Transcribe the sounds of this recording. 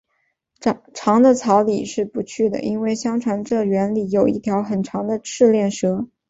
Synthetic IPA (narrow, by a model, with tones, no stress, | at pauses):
ʈ͡ʂʰɑ˧˥ŋd̪ə˧t͡sʰɑ˧˥ʊli˨˩ʂɻ̩˥˩pu˧˥t͡ɕʰy˥˩d̪ə̰˩ʔi˥nwe˥˩ɪɕjɑ˥ŋʈ͡ʂʰɑ˧˥ŋʈ͡ʂɤ˥˩ɥɛ˧˥nli˥˩jo˨˩ʊḭ˥˩t̪ʰjɑ˧˥ʊxə˨˩nʈ͡ʂʰɑ˧˥ŋd̪ə˧ʂɻ̩˥˧ljɛ˥˩nʂɤ˥